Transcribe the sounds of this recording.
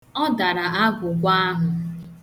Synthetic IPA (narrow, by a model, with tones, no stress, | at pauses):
ɔ˦da˨ɾa˨a˦ɡʊ˨ɡʷa˦a˦ɦʊ˨